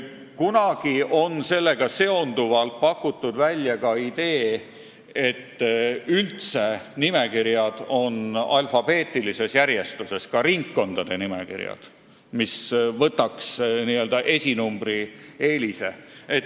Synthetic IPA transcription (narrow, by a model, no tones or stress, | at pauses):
kunɑɡ̥iʔo̞nse̞lːe̞ɡ̥ɑse̞o̞nd̪̥uvɑlt̪̚pɑkːut̪ːud̪vælʲːjɑkɑid̪̥e̞ː | e̞t̪ːylt̪se̞nime̞kiɾjɑd̪̥o̞nɑlfɑb̥e̞ːt̪ːˑilise̞sjæɾje̞st̪use̞skɑɾiŋkːo̞nd̪̥ɑd̪̥e̞nime̞̰kḭɾjɑ̰d̪̥ | misvɤt̪ːˑɑksniøld̪ɑʔe̞sʲinumb̥rie̞ːlise̞et̪